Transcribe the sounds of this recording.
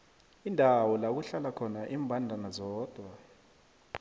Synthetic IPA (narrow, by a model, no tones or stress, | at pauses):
indʱawɔlak̬uɬalakʰɔnaʔiːmbʱandʱanazɔːd̥ʱwa